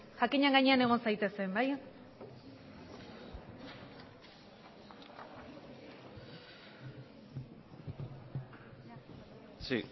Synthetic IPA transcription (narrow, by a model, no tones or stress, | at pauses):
ʝakiɲeaŋɡaɲe̞ane̞ɣ̞o̞nsajt̪e̞se̞mbaj | si